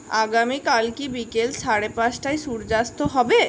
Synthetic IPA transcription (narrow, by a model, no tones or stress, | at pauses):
aɡamikalkibikelʃaɽepasʈajʃuɾd͡ʑast̪oɦɔbe